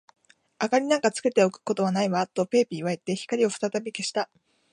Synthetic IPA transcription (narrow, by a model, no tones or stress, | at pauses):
akaɾʲinãŋkat͡sɨ̥ke̞t̪e̞o̞kɯ̟̥ko̞t̪o̞βanaiβat̪ːo̞pe̞ːpʲiːβaet̪ːe̞çi̥kaɾʲio̞ɸɯ̟̥t̪at̪abʲike̞ɕi̥t̪a